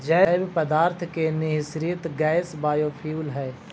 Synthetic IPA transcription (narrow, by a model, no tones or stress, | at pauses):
d͡ʒɛbpəd̪aːɾt̪ʰkenɪɦɪsɾit̪ɡɛːsbaːjopʰiuːlɦɛː